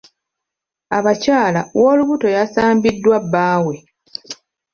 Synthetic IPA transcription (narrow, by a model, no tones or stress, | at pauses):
aβacaːlawo̞ːluβuto̞jasaːmbidːwabːaːwe̞